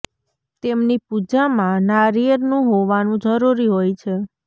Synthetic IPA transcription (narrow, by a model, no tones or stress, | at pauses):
t̪emnipud͡ʒamãnaɾijəɾnũɦoʋanũd͡ʒəɾuɾiɦojt͡ʃʰe